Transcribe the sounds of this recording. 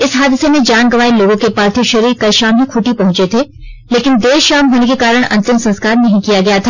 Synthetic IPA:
ɪsɦaːd̪ɪsemẽd͡ʒaːnɡɐʋaːiloːɡõkepaːɾt̪ʰiːoʃɐɾiːɾkaʃaːmɦĩkʰuʈipɐɦʊ̃nt͡ʃet̪ʰeː | leːkɪnd̪eːʃaːmɦoːnekekaːɾəɽ̃ɐ̰̃nt̪ɪmsɐ̃nskaːɾnɐɦĩkijaɡɐjat̪ʰaː

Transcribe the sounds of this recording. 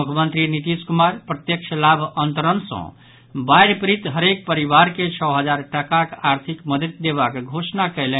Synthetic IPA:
mukʰəmənt̪ɾinit̪iskumaɾpɾət̪jəkt͡ʃʰəlabʱənt̪əɾənsʌ̰̃ | bajɾpɾit̪ɦəɾek̚pəɾibaɾket͡ʃʰəɦəd͡ʒaɾʈəkakaɾt̪ʰikməd̪ət̪̚d̪eβakɡʱosnakəjle

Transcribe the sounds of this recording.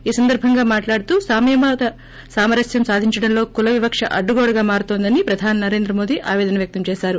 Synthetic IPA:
iːsɐnd̪ɐɾbʱɐŋɡaːmaːʈlaːɽut̪uːsaːmemaːt̪ɐ | saːmɐɾɐsjɐmsaːd̪ʱiɲt͡ʃɐɽɐnlo̞ːkulɐʋibɐkʂɐ̰ʔɐɖːuɡoːɽɐɡaːmaːɾut̪oːnd̪ɐnipɾɐd̪ʱaːninɐɾe̞ːnd̪ɾɐmoːd̪iʔa̰ːʋɛːd̪ɐnɐʋjɐk̚t̪ɐmt͡ʃɛːʃaːɾu

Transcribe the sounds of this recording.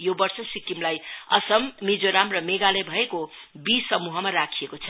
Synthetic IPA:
jobʌrsʌsikimlajʌ̰sʌmːid͡zoɾamrʌmeɡalebʱʌekobisʌmuɦʌmarakʰijekot͡sʰʌ

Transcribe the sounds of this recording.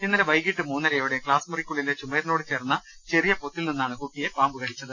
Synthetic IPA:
inːɐɾeʋɐjɡiʈːɨmuːnːɐɾɐjjoʋuɽekɭaːsmurikʲːuɭːilːet͡ɕumeːɾino̞ːɽɨt͡ɕe̞ːrɐnːɐt͡ɕe̞rijɐpot̪ːilninːaːɳɨkuːʈːije̞paːmbɨkɐɽit͡ɕːɐðɨ

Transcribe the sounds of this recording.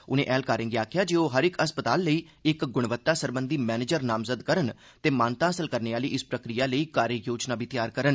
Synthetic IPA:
ʊnẽːʔɛːlkaːɾɪ̃ːŋɡiaːkʰjaːd͡ʒeːoːɦəɾɪkəspət̪aːlːəiː | ɪkɡʊɽ̃ʋət̪ːaːsəɾbənd̪iːmɛːneːd͡ʒəɾnaːmzəd̪kəɾən | t̪eːmãːnt̪ãːəsəlkəɾneːaːliːʔɪspɾəkɾijaːləiːkaːɾjəjoːd͡ʒnaːbʱiːt̪jaːɾkəɾən

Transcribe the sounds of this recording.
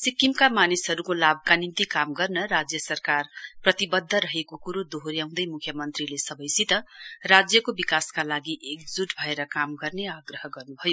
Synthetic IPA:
sikːimkamanisɦʌɾukolab̚kanint̪ikamɡʌrnʌɾad͡zjʌsʌrkarprʌt̪ibʌd̪ʱːʌɾʌɦekokuɾod̪oɦoɾjaw̃d̪ʌjmukʰjʌmʌnt̪rilesʌbʌjsit̪ʌrad͡zjʌkobikaskalaɡiʔek̚d͡zuʈbʱʌeɾʌkamɡʌrneaɡrʌɦʌɡʌrnubʱʌjo

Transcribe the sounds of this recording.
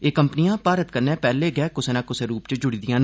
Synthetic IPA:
eːkəmpnijãːpaːɾət̪kəɾnẽːpɛːleɡɛːkʊsenãːkʊseɾuːpt͡ʃəd͡ʒʊɽid̪ijãːn

